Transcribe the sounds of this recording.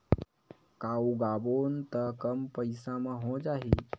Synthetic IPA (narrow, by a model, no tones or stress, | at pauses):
kauɡaboːnt̪əkəmpəjsãmãɦõd͡ʒaɦi